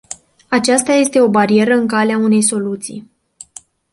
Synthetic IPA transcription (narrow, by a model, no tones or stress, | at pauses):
at͡ʃast̪aje̞st̪e̞o̞baɾie̞ɾəɨŋkaleaune̞jso̞lut̪sḭj